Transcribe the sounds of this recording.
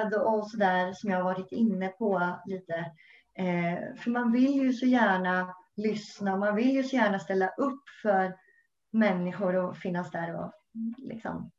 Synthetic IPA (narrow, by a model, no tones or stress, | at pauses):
d̪ɔsɔd̪æːɾsɔmjɑːhavɑːɾɪt̪ɪnːəpʰɔliːt̪ə | fœɾmanvɪljɵsɔjæːɳalʏsnamanvɪljɵsɔjæːɳast̪ɛlːaʔɵpːfœɾ | mɛnːɪɧʊɾɔfɪnːasd̪æɾɔ̰lɪ̰ksɔ̰m